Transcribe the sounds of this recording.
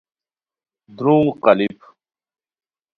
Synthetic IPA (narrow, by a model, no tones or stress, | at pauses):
d̪ɾũŋqɐlip